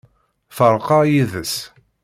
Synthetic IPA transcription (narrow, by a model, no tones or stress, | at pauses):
θəɾˤqɑjiðəs